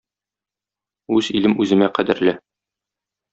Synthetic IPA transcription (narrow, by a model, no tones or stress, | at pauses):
ʉzilɘmʔʉzɘ̆mæqæd̪ɘ̆ɾlɘ